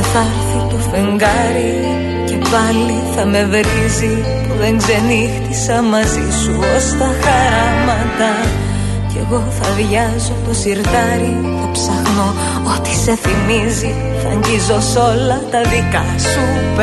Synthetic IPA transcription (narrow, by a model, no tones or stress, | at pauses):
θɐɾθit̪o̞fe̞ŋɡɐ | ɾi | cepɐliθɐme̞vɾizi | puðe̞ŋɡze̞nixt̪isɐmɐzisuost̪ɐxɐɾɐ | mɐt̪ɐ | ce̞ɣo̞θɐðʝɐzo̞t̪o̞siɾt̪ɐɾi | t̪opsɐɣno | ot̪i̥se̞θimizi | θɐ̰ɲɟizoso̞lɐt̪ɐðikɐ | su | p